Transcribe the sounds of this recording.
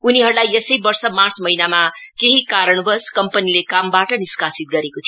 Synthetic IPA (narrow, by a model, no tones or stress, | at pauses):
uniɦʌɾulajesʌjbʌrsʌmart͡smʌɦinamakeɦikaɾʌɳ̃bʌskʌmpʌnilekambaʈʌniskasit̪̚ɡʌɾekot̪ʰji